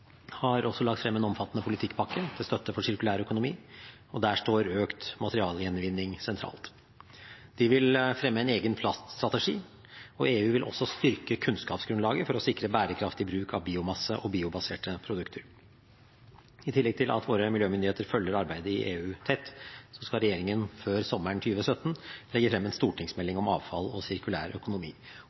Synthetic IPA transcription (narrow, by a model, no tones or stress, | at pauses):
hɑɾɔsːɔlɑk̚t̪fɾɛmːɛnɔmfɑt̪ːənəpʰʊlɪt̪ʰɪkːpʰɑkːət̪ʰɪlst̪œt̪ːəfɔʂɪɾkʉlæːɾœkʊnʊmiː | ɔd̪æːʂʈoːɾøːkt̪mɑt̪əɾɪɑːljɛnʋɪnːɪŋsɛnt̪ʰɾɑ̰ːlt̪ | d̪̥ɪʋɪlfɾɛmːəæɪneːɡənpʰlɑst̪st̪ɾɑt̪əʂiː | ɔeːʉːʋɪlʔɔ̰sːɔst̪ʏɾkəkʰʉnskɑːpsɡɾʉnlɑːɡəfɔɾɔsɪkɾəbæːɾəkʰɾɑft̪ɪbɾʉːkʰɑʋbiːʊmɑsːəʔɔbiːʊbɑseːʈəpʰɾʊd̪ʉkt̪ʰəɾ | ɪt̪ʰɪlːɛɡ̚t̪ʰɪlʔɑ̰t̪ʋoːɾəmɪljøːmʏnd̪ɪeːt̪əɾfœlːəɾɑɾbæɪd̪əɪʔeːʉːt̪ʰɛt̪ːsɔskɑlɾɛjeːɾɪŋənføːɾsɔmːəɳt̪ʰyːʋəsœt̪ːn̩lɛɡəfɾɛmːɛnst̪uːʈʰɪŋsmɛlːɪŋɔmɑːʋfɑlɔsɪɾkʉlæ̰ːɾœkʊnʊmḭː